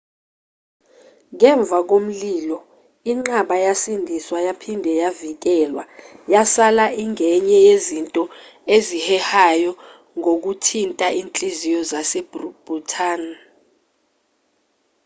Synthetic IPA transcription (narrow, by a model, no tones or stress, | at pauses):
ŋɛɱb̪vʱak̬om̩liːlɔ | iŋ͡ǁaɓajasindʱiswajapʰindʱɛjavik̬ɛlwajasalaʔiŋɛɲɛjezintʼɔezihɛhajɔ | ŋok̬utʰintʼaʔiːnt͡ɬʼizijɔzasɛbrub̥utʰaːn